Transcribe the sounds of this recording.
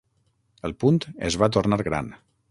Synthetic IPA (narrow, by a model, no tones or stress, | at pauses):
əlˠpunt̪ə̰zβat̪urnaɾɣɾa̰n